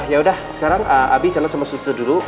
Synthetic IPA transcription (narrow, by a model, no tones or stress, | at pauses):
hjaudahsə̥kaɾaŋʔəʔa̰bit͡ʃalansamasust̪ədulu